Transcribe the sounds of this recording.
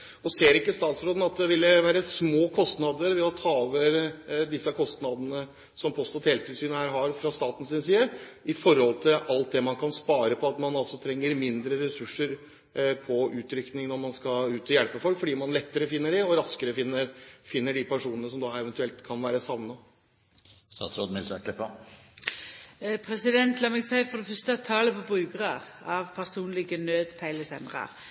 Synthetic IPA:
ɔseːɾɪkːəst̪ɑːt̪sɾoːd̪n̩ɑt̪̚d̪ɛʋɪlːəʋæːɾəsmoːkʰɔst̪nɑd̪əɾʋɛɔt̪ʰɑːoːʋəɾd̪ɪsːəkʰɔst̪nɑd̪ənə | sɔmpʰoːst̪ɔt̪heːlt̪ʰɪlsyːnəhæːɾɦɑɾfɾɑst̪ɑːt̪n̩sɪnsiːəʔɪfɔɾhɔlt̪ʰɪlʔɑlt̪̚d̪ɛmɑnkʰɑnspɑːɾəpʰɔɑt̪mɑnɑlsɔt̪ʰɾɛŋːəɾmɪnd̪ɾəɾɛsʉʂːəɾ | pʰɔʉːt̪ɾʏknɪŋnɔɾmɑnskɑʉːt̪ɔjɛlpəfɔlkfɔɖiːmɑnlɛt̪ːəɾəfɪnːəɖɪɔɾɑskəɾəfɪnːəɾfɪnːəɖipʰæʂuːnənəsɔmd̪ɑːɛʋɛnt̪ʉɛlt̪kʰɑnʋæːɾəsɑʋnə | sɑ̰t̪ʰɾod̪mɪlsəkʰlɛpɑ | pʰɾɛsɪd̪ɛnt̪lɑːmɛɡsæɪfɔd̪ɛfœst̪ət̪ʰɑːləpʰɔbʁʉːɡəʁəʁ | ɑʋpʰæsuːnlɪɡənøːd̪pʰæɪləsɛnd̪ɾə̰ɾ

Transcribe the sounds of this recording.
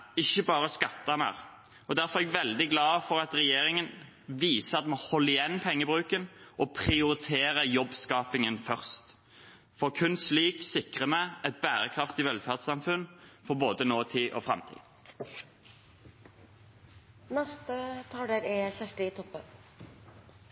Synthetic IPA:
ɪçːəbɑːʁəskɑt̪ːəmɛ̰ːʁ | ɔd̪æɾfɔʁɛɡʋɛld̪ɪɡlɑːfɔʁɑt̪ʁɛjeːɾɪŋən | ʋiːsəɑt̪moːhɔlːəɪjɛnːpʰɛŋːəbʁʉːkənʔɔpʰʁɪʊʁɪt̪ʰeːʁəjɔbskɑːpɪŋənfœʁst̪ | fɔʁkʰʉnsliːksɪkʁəmɛɛt̪̚bæːʁəkʰʁɑft̪ɪʋɛlfæʁd̪sɑmfʉnfɔʁboːd̪ənoːt̪ʰiːʔɔ̰fʁɑ̰mt̪ʰḭː | nɛst̪ət̪ʰɑːɖ̪ɛɾɛfæʂʈəɪt̪ʰɔpːən

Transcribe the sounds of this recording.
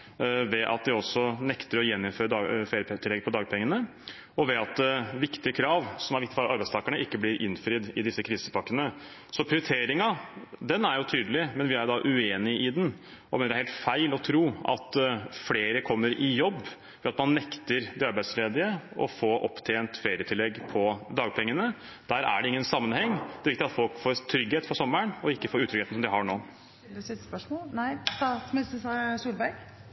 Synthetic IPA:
ʋɛʔɑ̰t̪̚d̪ɪɔsːɔnɛkt̪əɾɔjɛnːɪnføːɾəɑfeːɾəpt̪ʰɪlːɛɡpʰɔd̪ɑːɡpʰɛŋːənə | ɔʋɛɑt̪̚d̪ɛʋɪkt̪ɪəkʰɾɑːʋsɔmæɾɪkt̪ɪfɑlʔɑɾbæɪst̪ʰɑːkəɳəʔɪkːəblɪɾʔɪ̰nːfɾɪd̪ɪd̪ɪsːəkʰɾiːsə̥pʰɑkːənə | sɔpʰɾɪʊɾɪt̪ʰeːɾɪŋɑd̪ɛnːæɾjʊt̪ʰyːd̪əlɪmɛnʋɪæɾd̪ɑʔʉeːnɪʔɪd̪n | ɔmeːnɾhɛlt̪fæɪlɔt̪ʰɾuːɑ̰t̪fleːɾəkʰɔmːəɾʔɪjɔbː | ʋɛɑt̪mɑnːɛkt̪əɾd̪ɛɑɾbæɪd̪sleːd̪ɪəɔ̰foːɾʔɔ̰pːt̪ʰeːnt̪feːɾɪət̪ʰɪlːɛɡːpʰɔd̪ɑːɡ̚pʰɛŋːənə | d̪̥æɾæ̰ɖɛɪŋːənsɑmːənhɛŋːd̪ɛːʋɪkt̪ɪɑt̪fɔlkfoːɾt̪ʰɾʏɡheːt̪fɔsɔmːəɳɔɪkːəfoːɾʉːt̪ʰɾʏɡeːt̪n̩sɔmd̪ɪɦɑɳoː | sɪt̪ːəspœʂmoːlnæɪɑtmɪsəsuːlbæɾɡ

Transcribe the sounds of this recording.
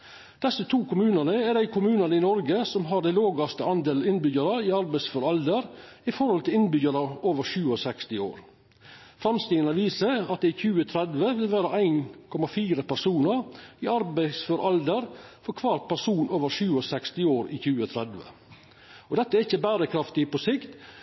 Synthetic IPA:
d̪̥ɛsːət̪ʰuːkʰʊmʉːnənəɛɖ̪æɪkʰʊmʉːnənəɪnɔɾɡəsɔmɦɑɾɖ̪æɪloːɡɑst̪əɑnd̪eːləɪnbʏɡɑɾəɪɑɾbæɪsfɔɾɑld̪əɾ | ɪfɔɾhɔlt̪ʰɪlɪnbʏɡəɾɑoːʋəɾʃʉːɔsɛkst̪ɪo̰ːɾ | fɾɑmst̪iənəʋiːsəɑt̪̚d̪ɛɪçʉːət̪ʰɾɛd̪ʋəʋɪlʋæːɾəʔæɪnkʰɔmɑfiːɾəpæɾsuːnəɾɪɑɾbæɪsfɔɾʔɑld̪əɾfɔɾkʰʋɑːɾt̪̚pʰæɾʂuːnoːʋəɾʃʉːɔsɛkst̪ɪoːɾɪ̰çʉːət̪ʰɾɛd̪ʋə̰ | ɔd̪ɛt̪ːəæɛɾɪçːəbæːɾəkʰɾɑft̪ɪpɔsɪkt̪

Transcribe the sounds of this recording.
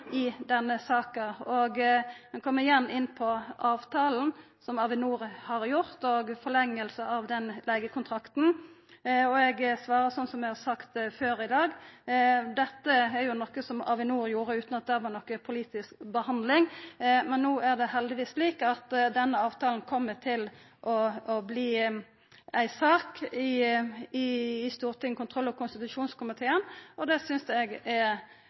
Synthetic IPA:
ɪd̪ɛnːəsɑːkəɔɡmɛnkʰɔmːəɾɪjɛnːɪnːpʰɔʔɑːʋt̪ʰɑːln̩ | sɔmɑʋɪnuːɾhɑɾjʊɾt̪ɔɡfɔlɛŋːəlsəɑʋd̪ɛnleːɡəkʰʊnt̪ʰɾɑkt̪n̩ | ɔɛɡsʋɑːɾəsɔnːsɔmɛhɑsɑkt̪føːɾɪd̪ɑːɡ | d̪ɛt̪ːəɛɾjʊnɔkːəsɔmɑ̰ʋɪnuːɾjuːɾəʉːt̪nɑt̪̚d̪ɛʋɑnɔkːəpʰʊliːt̪ɪskbəhɑnd̪lɪŋmɛnːuːæʁd̪ɛhɛld̪ɪʋiːsliːkɑt̪d̪ɛnːəɑːʋt̪ʰɑːln̩kʰɔmːət̪ʰɪl | ʔɔɔbliː | æɪsɑːkɪɪːst̪uːɾt̪ʰɪŋːəkʰʊnt̪ʰʁɔlːɔkʊnst̪ɪt̪ʉʂuːnskʊmɪt̪ʰeːənɔd̪ɛsʏnsɛɡɛɾ

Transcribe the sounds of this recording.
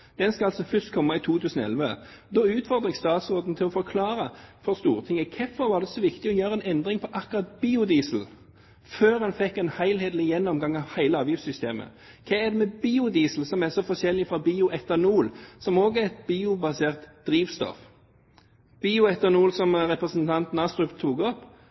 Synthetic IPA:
d̪̥ɛnskɑɑlsɔfʏst̪̚kʰɔmːəit̪ʰuːt̪ʰʉːsnɔɛ̰lʋəd̪ɔːʉːt̪fɔʁd̪ʁɛɡst̪ɑːt̪sʁoːd̪n̩t̪ʰɪlɔfɔɾkʰlɑːɾəfɔɾst̪uːʁət̪ʰɪŋːəkʰɛfɔɾʋɑːɾd̪ɛsɔʋɪkt̪ɪɔjøːɾəɛnɛnd̪ʁɪŋpʰɔʔɑkʊʁɑt̪̚biːʊd̪iːsl̩ | føːɾhɑnfɛkːɛnhæɪlheːd̪l̩ɪjɛnːɔmɡɑŋɑʋhæɪləɑːʋjɪfsʏst̪ḛːmə̰ | kʰɛːæd̪ɛmɛbiːʊd̪iːsl̩sɔmæsɔfɔʃɛlːɪfʁɑbiːʊʔɛt̪ɑnuːlsɔmoːɡəæɛt̪̚biːʊbɑseːʁt̪d̪̥ɾiːʋst̪ɔ̰f | b̥iːʊɛt̪ɑnuːlsɔmʁɛpɾəsənt̪ʰɑnt̪n̩ɑst̪ɾʉpt̪ʰuːɡɔp

